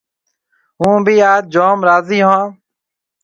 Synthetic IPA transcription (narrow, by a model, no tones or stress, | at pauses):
ɦũːbʱiːaːd͡ʒoːmɾaːziːɦãː